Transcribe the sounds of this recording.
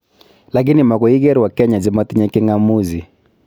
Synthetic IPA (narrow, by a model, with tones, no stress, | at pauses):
la˨k̬ɪ˦nɪ˨ma˨kɔ˨i˦ɡɛ˦ɾwa˨kɛ˦ɲa˨zɪ˦mɔ˦t̪ɲɛ˦kɪ˦ŋa˦mu˦zi˨